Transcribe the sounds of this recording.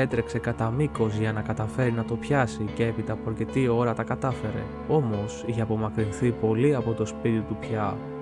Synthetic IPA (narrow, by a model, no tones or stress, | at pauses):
e̞t̪ɾe̞kse̞kɐt̪ɐmiko̞zʝɐnɐkɐt̪ɐfe̞ɾinɐt̪o̞pçɐsiceepit̪ɐːpoɐɾce̞t̪io̞ɾɐt̪ɐkɐt̪ɐfe̞ɾe̞̰ | o̞mo̞siçeɐpo̞mɐkɾinθipo̞liɐpo̞t̪o̞spit̪it̪upçɐ